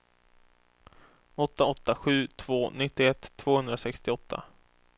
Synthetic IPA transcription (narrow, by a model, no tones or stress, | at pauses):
ɔt̪ːaɔt̪ːaɧʉ̟ːt̪ʰv̥oːnɪt̪ːɪɛt̪ʰːv̥oːhɵnd̪ɾasɛkst̪ɪɔt̪ʰːa̰